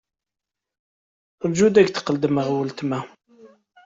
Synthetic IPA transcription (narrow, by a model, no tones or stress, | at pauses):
əlʒud̪æɡθə̥qːəld̪əməʁwəlt̪mæ